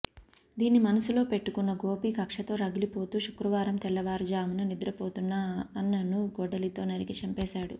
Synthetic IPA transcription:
d̪iːnːimɐnɐsulo̞ːpe̞ʈːukunːɐɡo̞ːpiːkɐkʂɐt̪o̞ːɾɐɡilipo̞ːt̪uːʃukɾɐʋaːɾɐmt̪ɛlːɐʋaːɾd͡ʒaːmɐnɐnid̪ɾɐpo̞ːt̪unːaːɐnːɐnuɡɔɖɐlit̪o̞ːnɐɾikit͡ʃɐmpɛːʃaːɽu

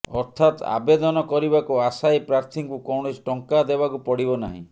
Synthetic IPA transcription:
ɔɾt̪ʰat̪a̰bed̪ɔnɔkɔɾibakuasajpɾaɾt̪ʰiŋkukɔwɳ̃isʈɔŋkad̪ebakupɔɽibɔna̰ɦḭ̃

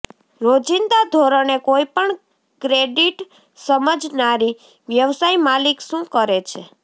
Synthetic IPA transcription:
ɾod͡ʒind̪ad̪ʱoɾənekoipəɳ | kɾeɖiʈ | səməd͡ʒnaɾi | ʋjəʋsaimalikʃũkəɾet͡ʃʰe

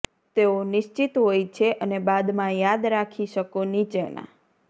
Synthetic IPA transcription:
t̪eonɪʃt͡ʃit̪ɦojt͡ʃʰeʔənebad̪mãjad̪ɾakʰiʃəkonit͡ʃenã̰

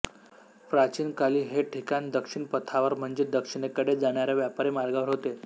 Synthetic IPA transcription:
pɾat͡ɕiːnkaliːɦeʈʰikand̪əkʂiɳpət̪ʰaʋəɾm̤əɳd͡zed̪əkʂiɽ̃ekəɽed͡zaɳ̃jaɾaʋjapaɾemaɾɡaʋəɾɦot̪e

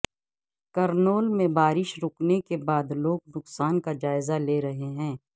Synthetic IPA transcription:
kɐɾnoːlmẽbaːɾɪʃɾʊknekebaːd̪loːɡnʊqsaːnkad͡ʒaːɪzaleːɾɐɦeɦɛ̃ː

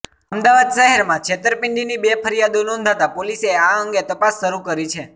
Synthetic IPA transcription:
əmd̪aʋad̪ʃəɦɛɾmãkʃʰet̪əɾpɪɳɖinibepʰəɾjad̪õnɔ̃nd̪ʱat̪apoliseaəŋɡet̪əpasːəɾukəɾit͡ʃʰe

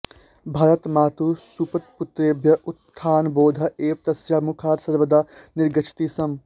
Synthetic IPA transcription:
bʱaːɾɐt̪maːt̪usupɐt̪̚pʊt̪ɾeːbʱjɐʔʊt̪ʰːaːnboːd̪ʱɐeːʋ̚t̪ɐsjaːmukʰaːɾsɐɾʋəd̪anɪɾɡɐt͡ʃʰt̪iːsɐm

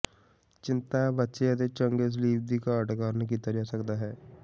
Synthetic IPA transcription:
t͡ʃɪ̃nt̪abətːʃeət̪et͡ʃə̃ŋɡes̬liːb̚d̪ikaɐʈkaːɾnek̬it̪ɐɾjasɐkd̪aɦɛː

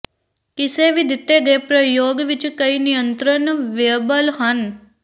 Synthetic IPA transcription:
kiseʋid̪ʱit̪ːeɡəpɾəjoɡʋit͡ʃkəinijənt̪ɾənʋjəbəlɦɐn

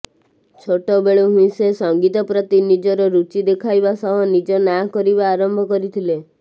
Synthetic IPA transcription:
t͡ʃʰoʈɔbeɭoɦũĩsesɔŋɡit̪ɔpɾɔt̪inid͡ʒɔɾɔɾut͡ʃid̪ekʰajbasɔɦɔnid͡ʒɔnakɔɾibaːɾɔmbʱɔkɔɾit̪ʰile

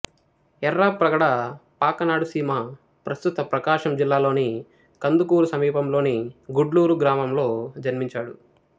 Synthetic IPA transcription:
ɛɾːaːpɾɐɡɐɽɐpaːkɐnaːɽusiːmɐ | pɾɐst̪ut̪ɐpɾɐkaːʂɐmd͡ʒilːaːlo̞ːni | kɐnd̪ukuːɾusɐmiːpɐmlo̞ːniɡuɖluːɾuɡɾaːmɐmlo̞ːd͡ʒɐnmiɲt͡ʃaːɽu

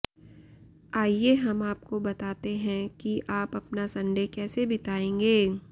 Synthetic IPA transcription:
aːijeɦɐmaːp̚kobɐt̪aːt̪eɦɛ̃kiʔaːpɐpnasɐ̃ɳɖʱekɛːsebɪt̪aːẽːŋɡeː

